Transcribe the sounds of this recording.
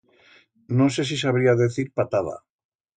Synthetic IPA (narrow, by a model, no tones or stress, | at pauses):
noses̬isaβ̞ɾiaðeθiɾpat̪aða̰